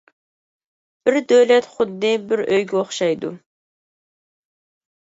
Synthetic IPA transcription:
b̥ɪɾd̪øwlɛt̪χʊd̪ːɨbɪɾøjɡʲɛoχʃɑjd̪ṵ

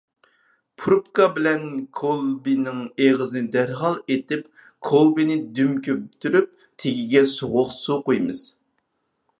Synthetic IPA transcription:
pʰuɾpkɑbɪlɛnkʰolˠbinɪŋeʁəzɨnɪd̪æɾɦɑlˠet̪ɪp | kʰolˠbinɪd̪ymkʲøpt̪ʰyɾyp̚ | t̪ʰeɡʲiɡʲɛsoʁʊχsuqojmɨz̥

